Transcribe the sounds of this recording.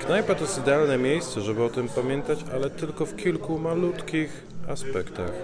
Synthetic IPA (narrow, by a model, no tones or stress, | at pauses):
knajpɛt̪ɔsid̪ɛalnɛmʲjejst̪sɛʐɛbɘɔt̪ɘmpamʲjɛnt̪at͡ɕa̰lɛt̪ɘlkɔfkʲilkumalut̪kʲix | aspɛkt̪a̰x